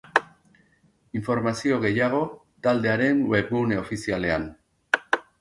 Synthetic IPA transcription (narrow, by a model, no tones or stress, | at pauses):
iɱfo̞ɾmasio̞ɣe̞jaɣ̞o̞ | t̪ald̪e̞aɾe̞nwe̞βɣuneo̞fisiale̞an